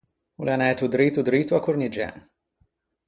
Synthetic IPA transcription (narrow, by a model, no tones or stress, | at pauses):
ulanɛt̪ud̪ɾiːt̪ud̪ɾiːt̪uakʊɾnid͡ʒɛ̰